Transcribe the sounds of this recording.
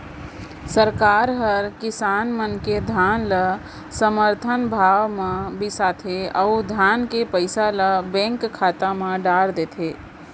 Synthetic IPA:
səɾkaːɾɦəɾkɪsaːnmənked̪ʱanlə | səməɾt̪ʰənbʱaːʋmẽbɪsat̪ʰeəud̪ʱjankepəɪsaləbɛ̃ŋkkʰːat̪amẽɖaɾd̪et̪ʰe

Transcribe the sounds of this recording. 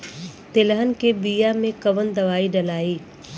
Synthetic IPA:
t̪ɪləɦənɪ̆keːbijamẽkɐʋənd̪ɐʋaːiɖɐlaːiː

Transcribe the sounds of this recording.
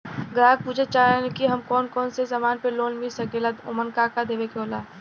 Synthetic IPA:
ɡɾaːɡ̚puːd͡ʒet͡ʃaːnkiɦɐmkɔːnkɔːnsezamaːnpeloːnmisɐkeːlət̪ʊ̰mənkaːkad̪eːʋekoːlaː

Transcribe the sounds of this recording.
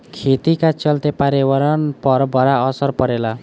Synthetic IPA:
kʰet̪ikat͡ʃʌlt̪epaɾewɔɾɔnpʌɾbʱʌɾaʌsʌɾpʌɾela

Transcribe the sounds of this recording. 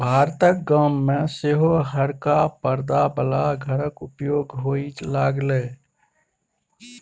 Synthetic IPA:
bʱaːɾt̪ək̚ɡaːmːẽseɦoɦəɾkapəɾd̪abəlaɡʱəɾəkʊpjoːɡɦoit͡ʃlaːɡle

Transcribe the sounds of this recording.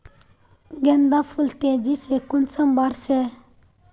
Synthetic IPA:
ɡend̪afult̪ed͡ʒisekunsəmbaɾse

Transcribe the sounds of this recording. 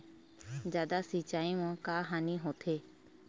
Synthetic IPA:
d͡ʒjaːd̪asit͡ʃaːimõkaːɦaːniɦoːt̪ʰeː

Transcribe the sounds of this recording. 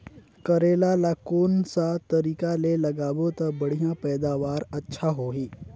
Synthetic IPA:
kɐɾeːlalakoːnsat̪ɐɾiːkalelɐɡaːbot̪ɐbɐɽ̤ijãpɛːd̪aːʋaːɾɐtːʃʰaɦoːɦiː

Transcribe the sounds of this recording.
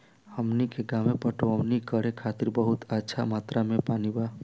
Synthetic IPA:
həmnikeɡaːmẽpəʈoəʋnikəɽẽkʰaːt̪ɪɾbəɦʊt̪ətːʃʰamaːt̪ɾamẽpaːnibaː

